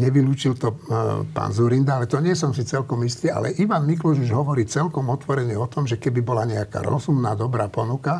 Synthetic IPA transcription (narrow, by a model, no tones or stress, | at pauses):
ɲɛʋiluːt͡ʃilt̪ɔpa̰ːnzuɾind̪aalɛt̪ɔɲɪɛs̬ɔmsit͡sɛlkɔmist̪iːa̰lɛ̰ʔiʋanmiklɔʒuʒɦɔʋɔɾiːt͡sɛlkɔmɔt̪ʋɔɾɛɲɪɛɔt̪ɔmʒɛkɛbibɔlaɲɛaka̰ɾɔ̰zumnaːd̪ɔbɾaːpɔnuka